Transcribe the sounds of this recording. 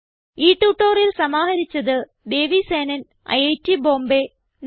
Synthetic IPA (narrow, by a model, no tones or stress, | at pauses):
iːʈːuːʈːoːrilsɐmaːɦɐɾit͡ɕːɐðɨ | d̪e̞ːʋiseːnɐn | ɐ̰jɐjtːibo̞ːmbe | n